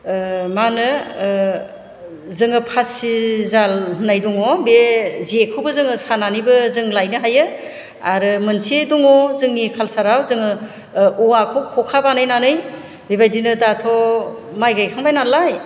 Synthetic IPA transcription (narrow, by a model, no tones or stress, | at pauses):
manɯ | zɯŋɯpʰasizalɦunajdɔŋɔbeziekʰɯwbɯzɯŋɯsananijbɯzɯŋlajnɯɦajɯ | aɾɯmɯnsiedɔŋɔzɯŋnikʰalsaɾawzɯŋɯ | uwakʰɔkʰɔkʰabanɯjnanɯj | bibajdinɯdatʰɔmajɡajkʰaŋbajnalaj